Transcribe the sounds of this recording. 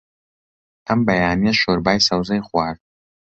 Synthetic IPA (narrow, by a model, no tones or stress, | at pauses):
ɐmbɐjaːnijɛʃoɾbaːjsɐwzɐjχʷaːɾd̪̚